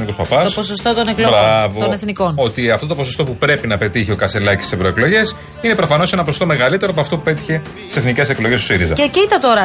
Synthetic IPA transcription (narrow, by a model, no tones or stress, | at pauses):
niko̞spɐpɐt̪osposost̪o̞t̪oneklobɾɐvooneθniko̞no̞t̪iɐft̪o̞t̪o̞po̞sost̪o̞pupɾe̞pinɐpe̞t̪içio̞kɐselɐcist̪ise̞vɾoe̞klo̞ʝe̞s | ine̞pɾo̞fɐno̞se̞nɐposost̪ome̞ɣɐlit̪e̞ɾoɐpoɐft̪o̞pu̥pe̞t̪i̥çe̞ | t̪i̥se̞θnice̞se̞klo̞jʝest̪u̥siɾizɐ̰eciit̪ɐt̪o̞ɾɐ